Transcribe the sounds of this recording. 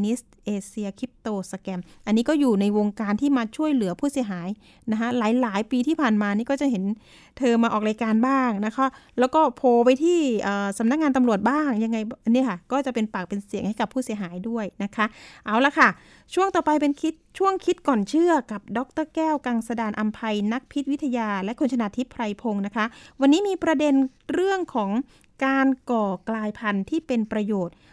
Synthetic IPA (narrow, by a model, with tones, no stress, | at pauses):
ni˦˥st̪̚ʔeː˧si˧ɐ˧kʰɾi˦˥p̚t̪oː˧sa˧kɛ˧mʔa˧nːiː˦˥kɔː˥˩juː˨˩na˧jwoː˧ŋkaː˧nt̪ʰiː˥˩maː˧t͡ɕʰu˥˩əjlɯ˨˩˦ɐpʰuː˥˩si˩˦ɦaː˩˦j | na˦˥kʰa˦˥laː˩˦jlaː˩˦jpiː˧t̪ʰiː˥˩pʰaː˨˩nmaː˧niː˥˩kɔː˥˩t͡ɕa˨˩ɦe˩˦n | t̪ʰɤː˧mːaː˧ʔɔː˨˩k̚laː˧jkaː˧nbaː˥˩ŋna˦˥kʰa˦˥lɛː˦˥wkɔː˥˩pʰoː˧pa˧jt̪ʰiː˥˩ʔɤː˨˩sa˨˦mna˦˥k̚ŋaː˧nt̪a˧mɾu˨˩ət̪̚baː˥˩ŋja˧ŋːa˧jʔni˦˥˩ɐkʰa˥˩kɔː˥˩t͡ɕa˨˩pe˧npaː˨˩k̚pe˧nsi˨˩˦əŋha˥˩jka˨˩pʰːuː˥˩si˩˦ɦaː˩˦jdu˥˩əjna˦˥kʰa˦˥ʔʔa˧˩wla˧kʰa˥˩ | t͡ɕʰu˥˩əŋt̪ɔː˨˩pa˧jpe˧nkʰi˦˥t̪̚t͡ɕʰu˥˩əŋkʰi˦˥t̪̚kɔː˨˩nt͡ɕʰɯ˥˩ɐka˨˩p̚dɔː˦˥k̚t̪ɤː˥˩kɛː˥˩wkaː˧ŋsa˧daː˧nʔa˧mpʰa˧jna˦˥k̚pʰi˦˥t̪̚wi˦˥t̪ʰa˧jaː˧lɛ˦˥kʰo˧nt͡ɕʰa˧naː˧t̪ʰi˦˥pʰɾa˧jpʰo˧ŋna˦˥kʰa˦˥ʔwa˧nːiː˦˥miː˧pɾa˧de˧nɾɯ˥˩əŋkʰɔː˩˦ŋ | kaː˧nkɔː˨˩klaː˧jpʰa˧nt̪ʰiː˥˩pe˧npɾa˧joː˨˩t̪̚